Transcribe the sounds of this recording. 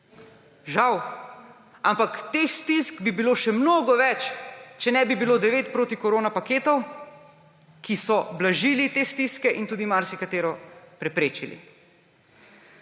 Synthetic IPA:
ʒaw | ampakt̪eːxst̪iskbibiloːʃɛmnoːɡɔʋɛt͡ʃt͡ʃɛnɛbibiloːd̪ɛʋeːt̪̚pɾoːt̪ikɔɾoːnapakeːt̪ɔw | kisɔblaʒiːlit̪eːst̪iskɛʔint̪uːd̪imaɾsikat̪eːɾɔpɾɛpɾeːt͡ʃilḭ

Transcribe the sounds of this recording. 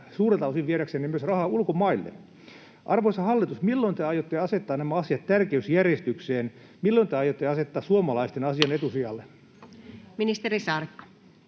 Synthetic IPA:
suːret̪ɑusiʋʋieɾæksenemyøsrɑhɑːulkomɑilːḛ | ʔɑrʋosɑhɑlːit̪usmilːoint̪eɑjot̪ːeɑset̪ːɑːnæmæɑsijɑt̪t̪ærkeysjærjest̪ykseːn | milːont̪eɑjot̪ːeɑset̪ːɑːsuomɑlɑist̪enɑsiɑnet̪usiɑlːe | minist̪eɾisɑrkːɑ̥

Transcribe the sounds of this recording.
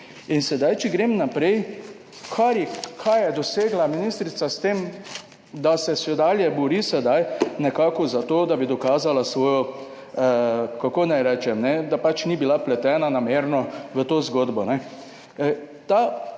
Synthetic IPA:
insɛd̪ajt͡ʃiɡɾemnapɾɛj | kʰaɾjɛkʰajjɛd̪ɔseːɡlaminist̪ɾit̪sast̪em | d̪asɛsɛd̪aljɛbɔɾisɛd̪ajnɛkaːkɔzat̪oːd̪abid̪ɔkaːzalasʋoːjɔ | kakoːnajɾɛt͡ʃɛmnɛd̪apat͡ʃnibilaplɛt̪ɛːnanameːɾnɔʋət̪oːzɡoːd̪bɔnɛ | t̪a

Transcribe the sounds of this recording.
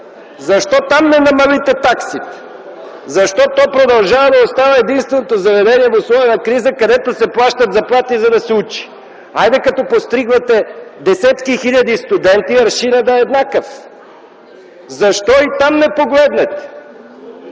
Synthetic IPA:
zɐʃt̪ɔt̪amnɛnɐmɐlit̪ɛt̪aksit̪ | zɐʃt̪ɔt̪ɔjpɾod̪ɐlˠʒavɐd̪ɐost̪avɐɛd̪inst̪vɛnot̪ozɐvɛd̪ɛniɛvoslˠɔvɛnɐkɾizəkɐd̪ɛt̪osɛplˠaʃt̪ɐt̪zɐplˠat̪izɐd̪ɐsɛut͡ʃi̥ | ajd̪ɛkɐt̪ɔpost̪ɾiɡlɐt̪ɛd̪ɛsɛt̪kixiʎʲɐd̪ist̪ud̪ɛnt̪iɐɾʃinɐd̪aɛd̪nakəf | zɐʃt̪ɔit̪amnɛpoɡlɛd̪nɛt̪ɛ̥

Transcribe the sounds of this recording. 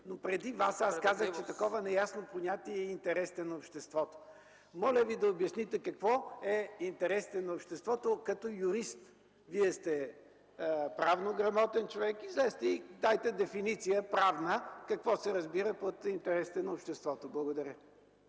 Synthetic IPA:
nopɾɛd̪ivasaskazəxt͡ʃɛt̪ɐkɔvənɛjasnopoɲʲat̪iɛɛint̪ɛɾɛst̪ɛnɐopʃt̪ɛst̪vɔt̪o̥ | mɔlʲəvid̪ɐobjɐsnit̪ɛkɐkvɔɛint̪ɛɾɛst̪ɛnɐopʃt̪ɛst̪vɔt̪okɐt̪ɔjʊɾist̪ | viɛst̪ɛ | əpɾavnoɡɾɐmɔt̪ɛnt͡ʃovɛkizɛst̪ɛid̪ajt̪ɛd̪ɛfinit̪sijəpɾavnəkɐkvɔsɛɾɐzbiɾəpot̪int̪ɛɾɛsit̪ɛnɐopʃt̪ɛst̪vɔt̪oblˠɐɡod̪ɐɾʲjə

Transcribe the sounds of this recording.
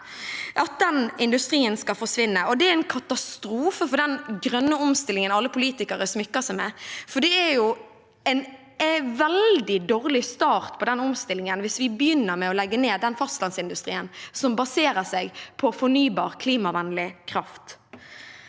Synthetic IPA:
ʔɑt̪̚d̪ɛnɪnd̪ʉst̪ɾiːənskɑlfɔʂʋɪnːəʔɔd̪ɛæɾɛɪnkʰɑt̪ɑst̪ɾuːfəfɔɖ̪ɛnɡɾœnːəɔmst̪ɪlːɪŋənɑlːəpʰʊliːt̪ɪkəɾəsmʏkːəsɛmɛfɔɖ̪ɛæɾjʊ | ɛn | ʋɛld̪ɪd̪oːʁlɪst̪ɑːʁt̪pʰɔd̪ɛnɔmst̪ɪlːɪŋənʋɪsʋɪbəjʏnːəɾmɛɔlɛɡːəneːd̪ɛnfɑst̪lɑnsɪnd̪ʉst̪ʁḭːənsɔmbɑseːɾəsɛɡpʰɔfɔnyːbɑːʁkʰliːmɑʋɛnlɪkʰɾɑft̪

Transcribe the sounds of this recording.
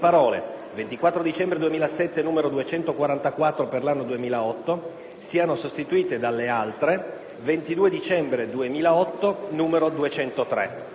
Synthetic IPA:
paɾɔːlḛ | vent̪ikwat̪ːɾod̪it͡ʃɛmbɾed̪uemiːlasɛt̪ːenuːmeɾod̪uet͡ʃɛnt̪okwaɾant̪akwat̪ːɾoperlanːod̪uemiːlaɔt̪ːo | siːanosost̪it̪uiːt̪ed̪alːealt̪ɾe | vent̪id̪uːed̪it͡ʃɛmbɾed̪uemiːlaɔt̪ːonuːmeɾod̪uet͡ʃɛnt̪ot̪ɾɛ̰

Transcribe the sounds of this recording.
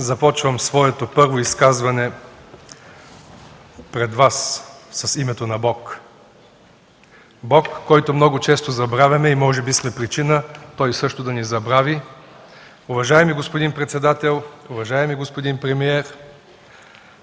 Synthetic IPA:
zɐpɔt͡ʃvəmsvɔɛt̪opɤɾvoiskazvɐnɛ | pɾɛd̪vasːɐsimɛt̪onɐbɔk | bɔkːɔjt̪omnɔɡʊt͡ʃɛst̪ozɐbɾavʲɐmɛimɔʒɛbismɛpɾit͡ʃinət̪ɔjsɤʃt̪od̪ɐnizɐbɾavʲi | ʊvɐʒaɛmiɡospod̪inpɾɛt̪sɛd̪at̪ɛlˠʊvɐʒaɛmiɡospod̪inpɾɛmiɛɾ

